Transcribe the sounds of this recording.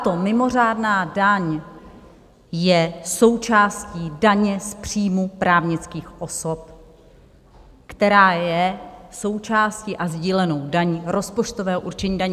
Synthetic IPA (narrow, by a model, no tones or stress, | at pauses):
t̪at̪o̞mɪmo̞r̝aːdnaːdaɲ | jɛso̞wt͡ʃaːsciːdaɲɛspr̝̥iːmupɾaːvɲɪt͡skiːxʔo̞so̞p | kt̪ɛɾaːjɛso̞wt͡ʃaːsciʔazɟiːlɛno̞wdaɲɾo̞spot͡ʃt̪ovɛːɦoʔuɾt͡ʃɛɲiːdaɲɛ